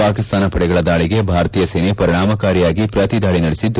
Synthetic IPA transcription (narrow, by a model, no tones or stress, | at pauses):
aːkist̪aːnɐpɐɽɛɡɐɭɐd̪aːɭiɡe̞bʱaːɾt̪iːjɐsenepɐɾiɳ̃aːmɐkaːɾijaːɡipɾɐt̪id̪ʱaːɭinɐɽesid̪